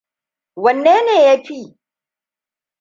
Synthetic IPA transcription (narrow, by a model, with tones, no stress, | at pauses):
wɐ˨nːeː˦neː˨ja˦ɸi˦